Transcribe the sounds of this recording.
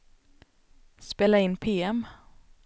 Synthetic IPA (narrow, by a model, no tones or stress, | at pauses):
speːlaɪnːpʰeːɛm